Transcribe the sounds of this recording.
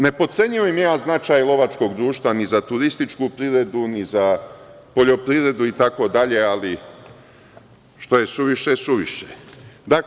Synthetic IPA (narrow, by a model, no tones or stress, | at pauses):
ne̞po̞t̪se̞ɲioimjejaːznat͡ʃaːjlo̞ʋat͡ʃko̞ɡd̪ɾuːʃt̪ʋanizat̪uɾist̪it͡ʃkupɾiːʋɾe̞d̪uniza | po̞ʎo̞pɾiʋɾe̞d̪uit̪ako̞d̪aʎe̞ali | ʃt̪o̞je̞suʋiʃesuʋiʃed̪a